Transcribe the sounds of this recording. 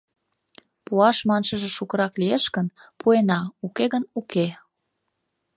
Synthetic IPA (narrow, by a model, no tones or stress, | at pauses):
puɑʃmɑnʃəʒĕʃukə̆ɾɑklieʃkənpʰuenɑukeɣənuke